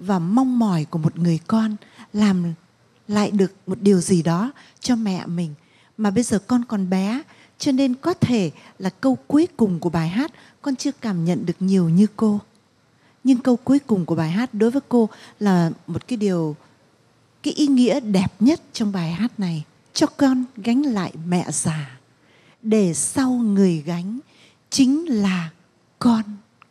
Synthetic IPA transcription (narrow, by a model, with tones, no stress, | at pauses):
vaː˨˩ma˧wŋ͡mmɔ˨˧˩jku˧˩əmo˨˩t̚ŋɨ˨˩əjkɔ˧nlaː˨˩m | la̰ː˧˨jɗɨ˨˩ək̚mo˨˩t̚ɗi˨˩əwzi˨˩ɗɔ˨˦ | t͡ɕɔ˧mɛ̰˧˨mï˨˩ŋ̟ | maː˨˩ɓə˧jzəː˨˩kɔ˧nkɔ˨˩nɓɛ˨˦ | t͡ɕɔ˧ne˧nkɔ˨˦t̪ʰe˧˩laː˨˩kə˧wku˨˦jkʊ˨˩ŋ͡mku˧˩əɓaː˨˩jɦaː˦˥t̚ | kɔ˧nt͡ɕɨ˧əkaː˧˩mɲə̰˧˨nɗɨ˨˩ək̚ɲi˨˩əwɲɨ˧ko˧ | ɲɨ˧ŋkə˧wku˨˦jkʊ˨˩ŋ͡mku˧˩əɓaː˨˩jɦaː˦˥t̚ɗo˨˦jvəː˨˦jko˧laː˨˩mo˨˩t̚kaː˨˦jɗi˨˩əw | kaː˨˦jʔi˨˦ŋḭ˧˥əɗɛ˨˩p̚ɲə˦˥t̚t͡ɕɔ˧wŋ͡mɓaː˨˩jɦaː˦˥t̚na˨˩j | t͡ɕɔ˧kɔ˧nɣa˨˦jŋ̟la̰ː˧˨jmɛ̰˧˨zaː˨˩ | ɗe˧˩sa˧wŋɨ˨˩əjɣa˨˦jŋ̟ | t͡ɕï˨˦ŋ̟laː˨˩ | kɔ˧n